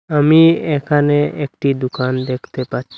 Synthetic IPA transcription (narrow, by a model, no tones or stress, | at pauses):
amiekʰaneekʈid̪ukand̪ekʰt̪epaɾt͡ʃʰi